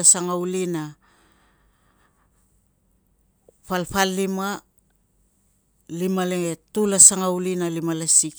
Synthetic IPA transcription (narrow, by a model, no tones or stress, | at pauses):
asaŋawlina | palpalːima | limaleŋetulasaŋawlinalimalasik